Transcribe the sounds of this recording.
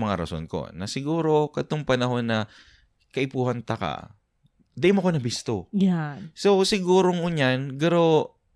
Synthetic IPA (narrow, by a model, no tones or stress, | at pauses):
mɐŋaɾɐ̰so̰nko̞̰nɐsɪɡuːɾo̞kɐt̪oŋpɐnɐɦo̞nːɐ | kɐʔɪpuːhɐnt̪ɐka̰ | d̪ɐʔɪmoʔkonɐbɪst̪oasowsɪɡuːɾoŋʊɲanɡɐɾo